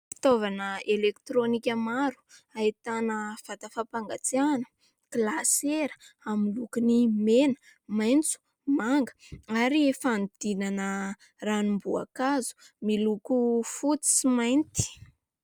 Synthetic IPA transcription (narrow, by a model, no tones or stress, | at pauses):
fi̥t̪ovanəelekt̪ɾonikʲəmaɾu̥ait̪anəfat̪afapaŋɡat͡sianə | klaseɾəamilukunimenə̥ | majnt͡su̥ | maŋɡə̥aɾifand̪̥inanə | ranumbua̰kazu̥ | milukufut͡si̥simajnt̪i̥